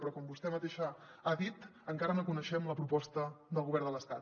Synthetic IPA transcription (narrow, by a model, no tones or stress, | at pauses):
pɾɔkɔmbust̪ɛmət̪eʃaaðit̪əŋkaɾənokunəʃɛmləpɾupɔst̪əðəlˠɣuβɛɾrd̪ələst̪at̪